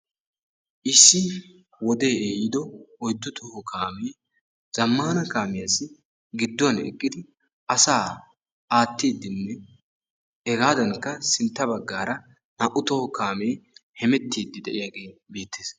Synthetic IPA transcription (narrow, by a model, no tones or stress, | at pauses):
ʔɪsːɪ | wɔd̪e̞ːeːjɪd̪ɔɔjd̪ːʊt̪ʰɔhɔkʰaːmeː | z̥ɐmːaːnɐkaːmɪjasɪ | ɡɪd̪ːɔɐnɛ̰kʼːɪd̪ɪ | ʔɐsaː | aːt̪ːiːd̪ːɪnːɛ | ɛɡaːd̪ɐŋkːɐsɪnt̪ːɐbɐɡːaːɾɐ | nɐʔʊt̪ɔhɔkaːme̞ːhɛmɛt̪ːiːd̪ːɪd̪ɛʔɪjaɡeːbeːt̪ʰːeːs